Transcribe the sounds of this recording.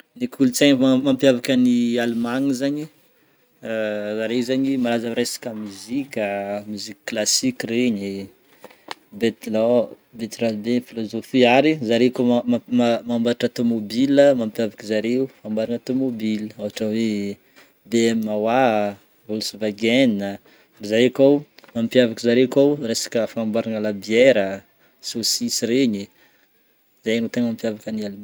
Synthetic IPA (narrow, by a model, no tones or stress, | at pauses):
nikʰulit͡saɲmampjavakənialmaŋizaɲi | zaɾeizaɲimaɾazamɾesḁkʲamuzikʲəmyzikʲə̥klasikʲiɾeɲi | bet̪lo | bet̪ɾalbeifilozofiaɾizaɾekoamambaʈ͡ʂat̪omobiləmampjavakizaɾeufambaɾanat̪omobiləawaʈ͡ʂawe | beɛmmawa | vulusuvaɡɛninə | izaɾekawmampjavakizaɾewkawresḁkəfaambaɾanəlabiɛɾə | sosisiɾeɲi | zajnot̪eŋmampjavakanalin